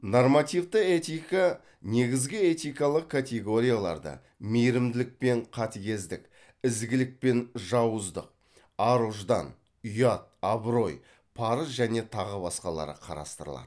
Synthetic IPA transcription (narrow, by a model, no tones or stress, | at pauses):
normat̪ijvd̪əet̪ijka | ne̞ɡʲɪzɡʲɪe̞t̪ijkalˠəq̚kʰːat̪ʲeɡo̞ɾʲijalˠɑ̰ɾd̪ə̰ | mejɾɪmd̪ɪlɪk̚pe̞ɴqʰɑt̪eɡʲe̞zd̪ɪkʲ | ɪzɡʲɪlɪk̚pe̞nʒɑwəzd̪əq̚ | ɑɾuʒd̪ɑ̰n | ʏjɑt̪̚ɑbɾo̞j | pʰɑɾəsʒæne̞t̪ʰɑʁəbɑsqɑlˠɑ̰ɾə̰qʰɑ̰ɾɑ̰st̪əɾəlˠɑ̰d̪